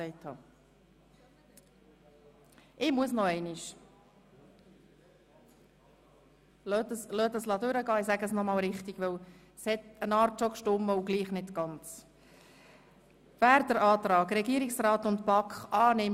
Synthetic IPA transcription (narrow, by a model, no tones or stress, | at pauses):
ɛɪthɑ̰ː | ʔɪmuəsnɔɛɪniʃ | løtəslœːt̪əslɑd̪ʉɾəɡɑːɪsæɡəsnɔmɑːlɾɪχtiɡ̥ʋɵw | shɛt̪ənɑːɾtʃɔkʃtʊmːəuɡliːχnɪtɡ̥ɑnt͡s | væːɾd̪əɾɑːt̪ɾɑːɡɾɛɡiːəɾɪksɾɑːt̪ʊntpɑkχʔɑːnɪm